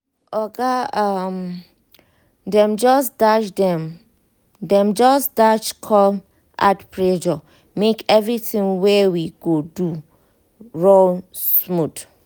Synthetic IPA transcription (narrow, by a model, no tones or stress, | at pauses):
ɔɡaam | dɛ̃md͡ʒɔsdat͡ʃdɛ̃m | dɛ̃md͡ʒɔsdat͡ʃkʰɔl | ʔa̰tpɹɛd͡ʒɔ | mekɛvɹitĩŋwewiɡodu | ɹolsmud